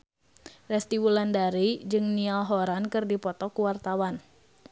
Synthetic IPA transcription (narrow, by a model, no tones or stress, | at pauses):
rɛst̪iwulandaɾid͡ʒɨŋnialɦɔɾankɨrdipɔt̪ɔkuwart̪awan